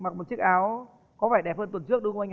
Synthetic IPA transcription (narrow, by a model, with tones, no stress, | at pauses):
ma˨˩k̚mo˨˩t̚t͡ɕɨ˦˥k̚ʔaː˨˦w | kɔ˨˦faː˧˩jɗɛ˨˩p̚həː˧nt̪wə˨˩nt͡ɕɨ˦˥ək̚ɗɨ˧ka˧ŋ̟˨